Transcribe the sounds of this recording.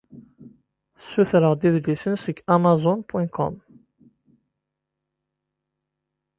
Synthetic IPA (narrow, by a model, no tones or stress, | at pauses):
suθɾəʁd̪iðlisənsəkamazɔnpwɛ̃kʰɔ̰m